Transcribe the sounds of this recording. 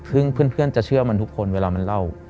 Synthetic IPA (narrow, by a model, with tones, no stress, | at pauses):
tʰɯ˧˥˨ŋpʰɯ˧˥˨npʰɯ˧˥˩ənt͡ɕa˧˩t͡ɕʰɯ˥˩əma˧˥˨t̪ʰu˦˥kʰːo˧˥nweː˧laː˧ma˧˨nla˧˩w